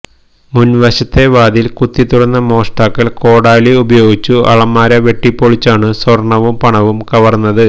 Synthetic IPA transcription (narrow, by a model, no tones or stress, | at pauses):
munʋɐɕɐt̪ːe̞ʋaːd̪ilkut̪ːit̪uɽɐnːɐmo̞ːʂʈaːkːɐɭko̞ːɽaːliubɐjo̞ːɡit͡ɕːuɐ̰ɭɐmːaːɾɐʋe̞ʈːipːoɭit͡ɕːaːɳɨswɐrɳɐʋumpɐɳɐʋumkɐʋɐrnːɐðɨ